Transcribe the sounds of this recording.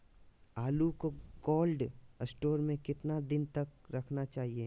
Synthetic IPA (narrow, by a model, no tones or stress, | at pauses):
aːlukoɡɔːlɖsʈoːɾmẽkɪt̪nad̪ɪnt̪ɐkɾɐkʰnat͡ʃaːɦieː